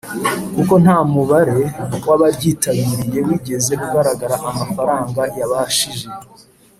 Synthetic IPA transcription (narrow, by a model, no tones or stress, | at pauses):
kuko̞n̥haːmuβaɾe̞waβaɾɟiːtaβiɾije̞wiːɟe̞ze̞kuɡaɾaɡaɾaʔamafaɾaːŋɡajaβaʃiʒe